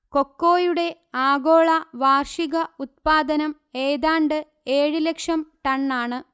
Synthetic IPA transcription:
ko̞kːo̞ːjuɽe̞ | aːɡo̞ːɭɐʋaːrʂiɣɐut̪̚paːd̪ɐnɐm | eːðaːɳɖɨ | e̞ːɻɨlekʂɐmʈɐɳːaːɳɨ

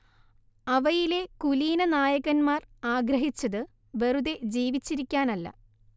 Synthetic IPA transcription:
ɐʋɐjile̞kuliːnɐnaːjɐɣɐnmaːraːɡɾɐɦit͡ɕːɐðɨ | ʋeruðe̞d͡ʑiːʋit͡ɕːiɾikʲːaːnɐlːɐ̰

